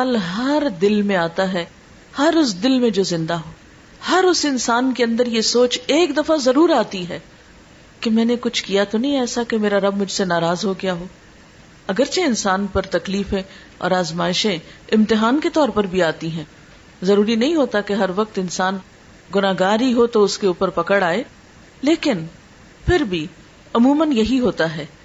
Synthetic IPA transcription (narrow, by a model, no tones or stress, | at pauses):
aːlɦɐɾd̪ɪlmẽaːt̪aɦɛː | hɐɾʊsd̪ɪlmẽd͡ʒoːzɪ̃nd̪aɦoː | hɐɾʊsɪnsaːnkeɐ̃nd̪əɾjesoːt͡ʃeːkd̪ɐfazɐɾuːɾaːt̪iɦɛː | kemɛ̃ːnekʊt͡ʃʰkijat̪onɐɦĩɛːsakemeːɾaɾɐbmʊd͡ʒʱsenaːɾaːzɦoɡɐjaɦoː | ɐɡəɾt͡ʃeɪnsaːnpɐɾt̪ɐkliːfẽ | ɔ̰ːɾaːzmaːɪʃẽɪ̃mt̪ɪɦaːnket̪ɔːɾpɐɾbʱiaːt̪iɦɛ̃ː | zɐɾuːɾinɐɦĩɦoːt̪akeɦɐɾʋɐk̚t̪ɪnsaːn | ɡʊnaːɦɡaːɾiɦot̪oʊskeuːpəɾpɐkəɽaːe | leːkɪn | pʰɪɾbʱi | ɐmuːmənjɐɦiɦoːt̪aɦɛː